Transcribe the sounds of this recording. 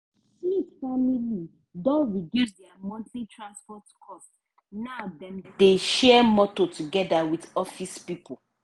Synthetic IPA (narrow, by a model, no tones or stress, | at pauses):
hisfamili | dɔ̃nɹidusdɛamɔ̃ntlitʰɹãnspɔtkʰɔst | naʊdɛ̃mdeʃɛɛmɔtotuɡɛdawiθɔfispipo